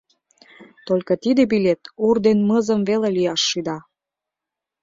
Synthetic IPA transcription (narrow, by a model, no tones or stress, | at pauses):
t̪olʲkə̆t̪id̪ebilʲet̪urd̪enməzəmvelelijɑʃːyd̪ɑ